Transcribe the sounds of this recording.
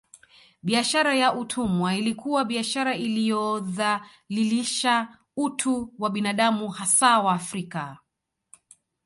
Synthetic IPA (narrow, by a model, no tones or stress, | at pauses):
ɓiaʃaɾajaʔutʰumwailikuwaɓiaʃaɾailijɔða | liliʃa | utʰuwaɓinaɗamuhasawaːfɾika